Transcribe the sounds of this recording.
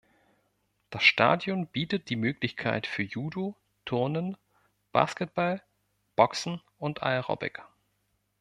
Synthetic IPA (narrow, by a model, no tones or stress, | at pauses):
d̥asʃta̰ːdjɔnb̥iːtət̚d̥iːmøːklɪçkʰa̰ɪtfyːɐjuːdo | tʰʊɐnən | b̥a̰ːskɛt̚b̥al | b̥ɔksn̩ | ʔʊntʔa̰ɪʁɔ̰bɪ̰k